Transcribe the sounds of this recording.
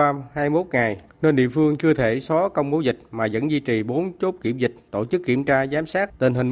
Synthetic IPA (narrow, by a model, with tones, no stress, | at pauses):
aː˧haː˧jmo˦˥t̚ŋa˨˩j | ne˧nɗḭ˧˨əfɨ˧əŋt͡ɕɨ˧ət̪ʰe˧˩sɔ˨˦kə˧wŋ͡mɓo˨˦wzï˨˩k̟̚maː˨˩zə̰˧˥nzi˧t͡ɕi˨˩ɓo˨˦nt͡ɕo˦˥t̚kḭ˧˩əmzï˨˩k̟̚t̪o˧˩t͡ɕɨ˦˥kːi˧˩əmt͡ɕaː˧zaː˨˦msaː˦˥k̚t̪i˨˩nɦï˨˩ŋ